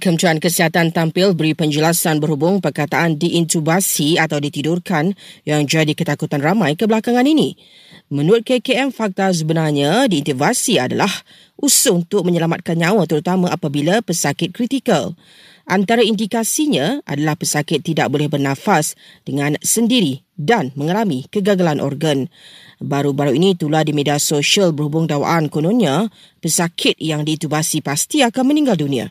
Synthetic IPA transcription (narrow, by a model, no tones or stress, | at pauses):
kəmt̪uankəsiɦat̪ant̪ampɪlbəɾipəɲd͡ʒəlasanbəɾhubʊŋpərkat̪aʔandiʔːnt̪ubasiat̪awdit̪idʊrkanjaŋd͡ʒadikət̪akut̪anramãjkəbəlakaŋãninĩ | mə̃nuɾʊt̪̚kekeɛmfak̚t̪as̬əbənarɲãdiːnt̪uvasiada̰lah | ʔusʊunt̪ʊk̚məɲəlamat̪̚kanɲãwat̪əɾut̪amãʔapabilapəsakɪt̪̚kɾit̪ikəl | ʔant̪aɾaindikasiɲãa̰dalahpəsakɪt̪ːidaʔ̚bolɛhbərnãfasd̥əŋãnsəndiɾi | danmə̃ŋalamikəɡaɡalanʔɔ̰rɡanbaɾubaɾuinĩt̪uladimediasoʃiəlbərhubʊŋdawa̰ʔankonõnĩa | pəsakʰɪt̪̚jaŋdiːt̪ubasipast̪iakanmənĩŋɡaldunĩa̰